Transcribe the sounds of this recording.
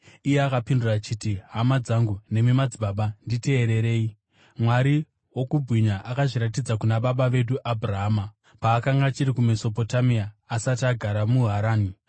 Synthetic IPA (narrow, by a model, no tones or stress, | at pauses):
ije̞akapindurat͡ʃitiɦamad͡zaŋɡune̞mimad͡ziɓaɓandite̞ːɾe̞ɾe̞ːi | mwaɾi | wo̞kubʱwiɲaʔakaʐiɾatid͡zakunaɓaɓaʋe̞ɗuʔabʱuraɦaːma | paːkaŋɡat͡ʃiɾikume̞so̞po̞tamiaːsataɡʱaɾamuɦaɾaːni